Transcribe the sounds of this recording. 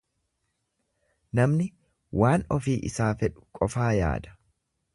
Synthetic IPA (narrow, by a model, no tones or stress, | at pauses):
nɐmnɪ | waːnɔfiːʔɪsaːfɛᶑʊ̥kʼɔfaːja̰ːd̪ɐ̥